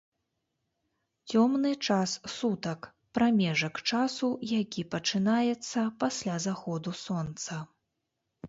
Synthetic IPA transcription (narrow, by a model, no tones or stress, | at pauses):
t͡sʲɔmnɨt͡ʂassut̪ɐk | pɾamʲɛʐɐkt͡ʂasujakʲipɐt͡ʂɨnajɛt̪sːɐpasʲlʲazaxɔd̪usɔnt̪sɐ